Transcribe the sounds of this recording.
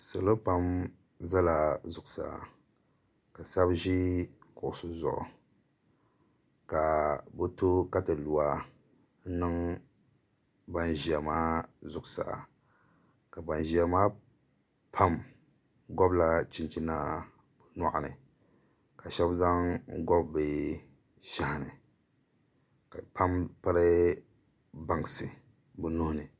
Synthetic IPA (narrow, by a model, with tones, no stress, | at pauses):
so˨lo˦pa˦m | za˦la˨zʊ˨kʊ˨sa̰˨ | ka˨sa˦bʒi˦kʊ˨ʔʊ˨sʊ˦zʊ̰˨ʔʊ̰˨ | ka˨bɨ˦tu˦ka˦tɨ˨lu˨wa˦ | n̩˦nɨ˦ŋ | ba˦nʒi˨a˨maː˦zʊ˨ksa̰˨ | ka˨ba˨nʒi˨ɛ˨maː˦ | pʰa˦m | ɡɔ˦bla˦t͡ʃi˦nt͡ʃi˦na˦ | bɨ˨na˦ʔa˨nɨ̰˨ | ka˨ʃɛ˦bza˦ŋɡɔ˦bːɨ˨ | ʃa˦ha˨nɨ̰˨ | ka˨pʰa˦mpa˦ɾɨ˦ | ba˨ŋ˨sɨ˨ | bɨ˦nʊ˦hʊ˦nɨ˨